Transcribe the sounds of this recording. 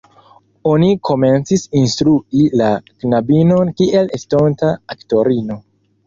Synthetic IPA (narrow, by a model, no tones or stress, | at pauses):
o̞nikʰo̞me̞nt͡sisinstɾuilaknabino̞nkiʔe̞lestontaakto̞ɾino̞